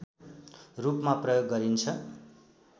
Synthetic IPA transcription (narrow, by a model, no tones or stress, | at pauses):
rupmaprʌjoɡːʌɾint͡sʰʌ